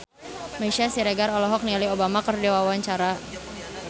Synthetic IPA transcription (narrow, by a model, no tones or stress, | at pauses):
maʃasiɾeɡaɾɔlɔɦɔk̚nialiobamakərdewawaɲt͡ʃaɾa